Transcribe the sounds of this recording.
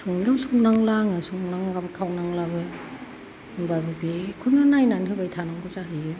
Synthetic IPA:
sʰuŋiawsuŋnaŋlaŋasuŋnaŋlabɯkʰawnaŋlabɯ | bajbɯbekʰunɯnajnanhɯbajtʰanaŋɡɯzaɦɯjɯ

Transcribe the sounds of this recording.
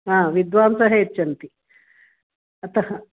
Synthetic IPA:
aːʋid̪ʋaːnsɐɦeːtːt͡ʃɐnt̪i | ɐt̪ɐɦɐ

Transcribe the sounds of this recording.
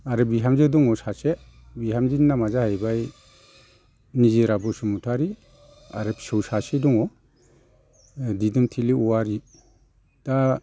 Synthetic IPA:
aɾɯbiɦamzedɔŋɔsase | biɦamzinːamazahajbaj | niziɾabɔsumutʰaɾi | a̰ɾɯpsɯwsasedɔŋɔ | didumtʰiliuwaɾi | d̥a

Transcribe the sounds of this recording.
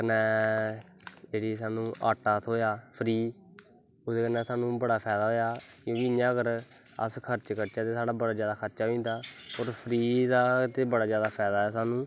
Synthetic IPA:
kənɛː | d͡ʒeːɽiːsaːnũːʔaːʈːaːt̪ʰoːjaːpʰɾiː | ʊd̪eːkənɛ̃ːsaːnũːbəɽaːpʰɛːd̪aːɦoːjaːkjõːkɪɪjãːɡəɾ | ə̰skʰəɾt͡ʃkəɾt͡ʃaːt̪eːsaːɽaːbəɽaːd͡ʒjaːd̪aːkʰəɾt͡ʃaːɦĩːnd̪aːoːɾpʰɾiːd̪aːt̪eːbəɽaːd͡ʒjaːd̪aːpʰɛːd̪aːɦɛːs̬aːnũː

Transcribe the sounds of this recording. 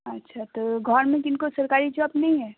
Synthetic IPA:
ɐtːʃʰat̪oɡʱɔɾmẽkɪnkosɐɾkaːɾid͡ʒɔːbnɐɦĩɦɛː

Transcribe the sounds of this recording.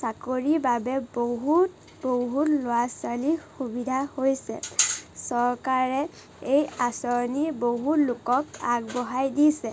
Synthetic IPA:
sakoɹibabɛboɦut | boɦutlʊaswalixubidʱahojsɛ̰sɔɹkaɹɛ | ejasɔɹniboɦutlʊkɔkaɡ̚bɔɦajdisɛ

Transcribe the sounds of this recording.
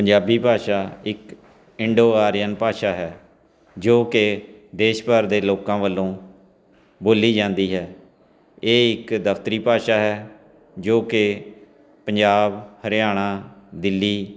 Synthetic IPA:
pəɲd͡ʒaːbiːpaːʃaːɪk | ɪɳɖoːaːɾɪjənpaːʃaːɦɛː | d͡ʒoːkɪd̪eːʃpəɾd̪eːloːkãːʋəlːõː | boːliːd͡ʒãːnd̪iːɦɛː | eːɪkd̪əpʰt̪əɾiːpaːʃaːɦɛː | d͡ʒoːkɪ | pəɲd͡ʒaːbhəɾɪjaːɽ̃ãːd̪ɪlːiː

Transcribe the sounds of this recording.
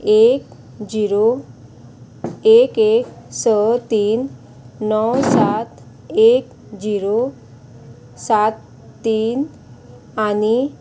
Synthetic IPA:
ek | d͡ʑiɾo | ekeksət̪iːnː | ɔwsat̪ | ek | d͡ʑiɾo | sat̪ː | iːn | ani

